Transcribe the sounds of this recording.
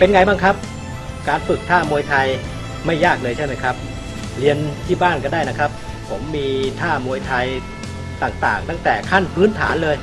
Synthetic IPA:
pe˧nŋa˧jbaː˥˩ŋkʰa˦˥p̚ | kaː˧nfɯ˨˩k̚t̪ʰaː˥˩mu˧jt̪ʰa˧j | ma˥˩jːaː˥˩k̚lɤː˧jt͡ɕʰa˥˩nma˦˥˩kʰa˦˥p̚ | li˧ənt̪ʰiː˥˩baː˥˩nkɔː˥˩daː˥˩jna˦˥kʰɾa˦˥p̚ʰ | o˩˦mːiː˧t̪ʰaː˥˩mu˧jt̪ʰa˧j | t̪aː˨˩ŋt̪aː˨˩ŋt̪a˥˩ŋt̪ɛː˨˩kʰa˥˩npʰɯː˦˥nt̪ʰa̰ː˩˦nlɤː˧j

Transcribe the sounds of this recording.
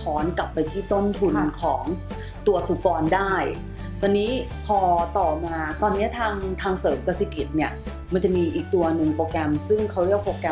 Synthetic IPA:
pʰɔː˦˥nkla˨˩pːa˧jt̪ʰiː˥˩t̪o˥˩mt̪ʰu˧nkʰɔː˩˦ŋ | t̪u˧ɐsu˨˩pɔː˧ndaː˥˩j | t̪ɔː˧nːiː˦˥ | pʰɔː˧t̪ɔː˨˩maː˧t̪ɔː˧nːi˦˥ɐt̪ʰaː˧ŋt̪ʰaː˧ŋsɤː˩˦mkaː˧si˨˩ki˨˩t̪̚ni˥˩ɐ | ma˧nt͡ɕa˨˩ʔmiː˧ʔiː˨˩k̚t̪u˧ɐnɯ˨˩ŋpɾoː˧kɛ˧msɯ˥˩ŋkʰa˦˥wɾi˥˩ək̚poː˧kɛ˧

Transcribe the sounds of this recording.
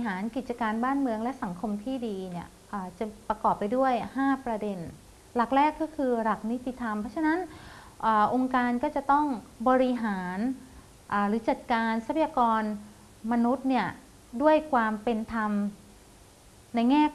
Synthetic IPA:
ɦaː˩˦nki˨˩t̪̚t͡ɕa˧kaː˧nbaː˥˩nmɯ˧əŋlɛ˦˥ʔsa˩˦ŋkʰo˧mt̪ʰiː˥˩diː˧ni˥˩ɐ | ʔaː˨˩t͡ɕa˨˩pɾa˧kɔː˨˩pːa˧jdu˥˩əjhaː˥˩pɾa˧de˧n | la˨˩k̚ɾɛː˥˩kːɔː˥˩kʰɯː˧ɾa˨˩k̚ni˦˥t̪ːi˨t̪ʰa˧mpʰɔ˦˥t͡ɕʰa˧na˦˥n | ʔaː˨˩ʔo˧ŋkaː˧nkɔː˥˩t͡ɕa˨˩t̪ɔ˥˩ŋbɔː˧ɾi˧ɦaː˩˦n | ʔaː˨˩ɾɯː˩˦˥t͡ɕa˨˩t̪̚kaː˧nsa˦˥pʰa˧jaː˧kɔː˧n | ma˧nu˦˥t̪̚ni˥˩ə | du˥˩əjkʰwaː˧mpe˧nt̪ʰa˧m | na˧jŋɛː˥˩

